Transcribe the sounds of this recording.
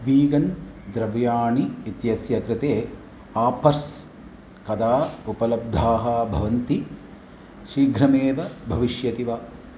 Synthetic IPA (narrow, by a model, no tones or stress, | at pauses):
ʋiːɡɐnd̪ɾɐʋjaːɳiːt̪jɐsjɐkɾɪt̪eː | aːpɐɾs | kɐd̪aːupɐlɐb̚d̪ʱaːɦɐbʱɐ̰ʋɐnt̪i | ʃɾiːɡʱɾɐmeːʋɐbʱɐʋiʃjɐt̪iʋaː